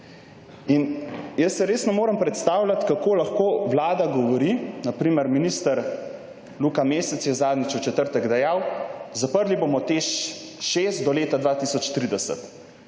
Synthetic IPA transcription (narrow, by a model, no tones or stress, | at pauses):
injəsːɛɾeːsnɔmoːɾəmpɾɛt̪st̪aːwlʲat̪kakoːlaxkoːʋlaːd̪aɡɔʋɔɾinapɾiːməɾminiːst̪əɾ | luːkameːsɛt̪sjɛzaːd̪nit͡ʃut͡ʃɛt̪əɾt̪əɡd̪ɛjaːwzapəɾlibomɔt̪eʃ | ʃeːst̪d̪ɔleːt̪ad̪ʋaːt̪iːsɔt͡ʃt̪ɾiːd̪ɛsə̰t̪